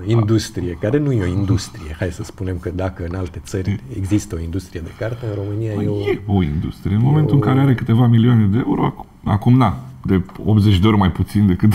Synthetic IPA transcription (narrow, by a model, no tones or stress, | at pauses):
ind̪ust̪ɾije̞kaɾe̞nujeo̞ind̪ust̪ɾijehajd̪esəspune̞mkəd̪akəɨnalt̪e̞t̪sərʲḛɡzist̪əo̞ind̪ust̪ɾije̞d̪e̞kart̪əɨnro̞mɨnijajeoje̞o̞ind̪ṵst̪ɾijeɨnmome̞nt̪uɨŋkaɾe̞aɾe̞kɨt̪e̞vamilioane̞d̪ee̞uɾo̞ | a̰kumnad̪e̞o̰pzet͡ʃʲd̪eoɾo̞majput̪sind̪e̞kɨt̪